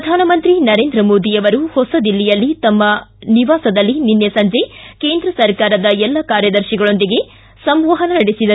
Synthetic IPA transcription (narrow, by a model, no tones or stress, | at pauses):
pɾɐd̪ʱaːnɐmɐnt̪ɾinɐɾe̞ːnd̪ɾɐmo̞ːd̪ijɐʋɐɾuhɔsɐd̪ilːijɐlːit̪ɐmːɐniʋaːsɐd̪ɐlːininːesɐɲd͡ʒe̞ke̞ːnd̪ɾɐsɐɾkaːɾɐd̪ɐɛlːɐkaːɾjɐd̪ɐɾʃiɡɐɭo̞nd̪iɡe̞ | sɐmʋɐɦɐnɐnɐɽisid̪ɐɾu